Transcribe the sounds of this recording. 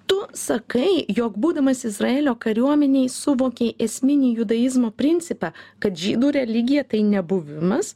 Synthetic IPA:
t̪ʊsɐkɐɪjoːkbuːd̪ɐmɐsɪzrɐeːlʲoːkɐɾʲuɔmʲɛnʲɛɪsʊʋoːkʲeːʔɛsʲmʲɪnʲiːjʊd̪ɐjɪzmoːpʲɾʲɪnʲt̪sʲɪpɑːkɐt̪ʒʲiːd̪uːɾʲɛlʲɪɡʲɪjɛt̪ɐɪnʲɛbʊʋʲɪmɐs

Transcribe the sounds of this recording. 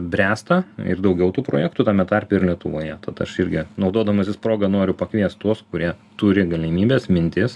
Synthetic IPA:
bʲɾʲæːst̪ɐɪ̰rd̪ɒʊɡʲɛʊt̪uːpɾoːjɛkt̪uːt̪ɑːmʲɛt̪ɑɾʲpʲeɪɾlʲiɛt̪ʊʋoːjɛt̪ɐt̪ɐ̰ʃɪɾʲɡʲɪnɒʊd̪oːd̪ɐmɐsʲɪspɾoːɡɐnoːɾʲʊpɐkʋʲiɛst̪t̪uɔskʊɾʲiɛ | t̪ʊɾʲɪɡɐlʲɪmʲiːbʲeːsmʲɪnʲt̪ʲɪs

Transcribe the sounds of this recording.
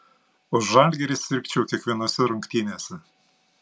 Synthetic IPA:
ʊʃʒɑlʲɡʲeɾʲɪsʲɪɾʲkʲt͡ʃʲɛʊkʲiɛkʋʲiɛnoɔsʲɛɾʊŋkt̪ʲiːnʲeːsʲɛ

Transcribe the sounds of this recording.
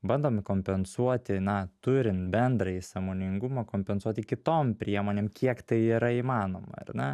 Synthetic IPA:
bɐnd̪oːmkoːmʲpʲɛnsuɔt̪ʲɪnɐt̪ʊɾʲɪnt̪bʲɛnd̪ɾɐisɑːmoːnʲɪŋɡʊmɐkoːmʲpʲɛnsuɔt̪ʲɪkʲɪt̪oːmpʲɾʲiɛmoːnʲeːmkʲʰiɛkt̪ɐɪiːɾɐimɑːnoːmɐ̰ɐ̰rnʲɛ

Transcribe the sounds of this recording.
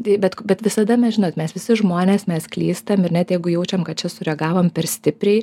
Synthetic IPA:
t̪ɐɪbʲɛt̪kbʲɛt̪ʋʲɪsɐd̪ɐmʲɛsʒʲɪnoːt̪mʲɛsʋʲɪsʲɪʒmoːnʲeːsmʲɛsklʲiːst̪ɐmɪrnʲɛt̪jɛɪɡʊjɛʊt͡ʃʲɛmkɐt̪t͡ʃʲɛsʊɾʲɛɡɑːʋoːmpʲɛrsʲt̪ʲɪpʲɾʲɛɪ

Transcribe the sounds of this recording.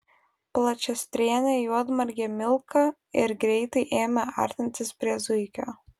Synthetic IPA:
plˠɐt͡ʃʲɛsʲt̪ʲɾʲeːnʲeːjuɔd̪mɐɾʲɡʲɛmʲɪlˠkɐ | ɪɾɡɾʲɛɪt̪ɐɪʔeːmʲɛɑ̰ːˑɾʲt̪ʲɪnʲt̪ʲɪspʲɾʲiɛzʊɪkʲoː

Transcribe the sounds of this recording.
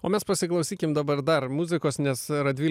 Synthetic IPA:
oːmʲɛspɐsʲɪklˠɐʊsʲiːkʲɪmd̪ɐbɐɾd̪ɐɾmuzʲɪkoːsnʲɛsɾɐd̪ʲʋʲiːl

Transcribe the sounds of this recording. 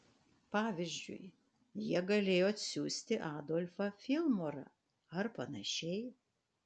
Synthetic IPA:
pɑːʋʲɪzʲd͡ʒʲʊ̰ɪ | jiɛɡɐlʲeːjoːɐt̪ʲsʲuːsʲt̪ʲɪʔɑːd̪olʲfɐfʲɪlˠmoːɾɐ̰ | ɐɾpɐnɐʃʲɛɪ

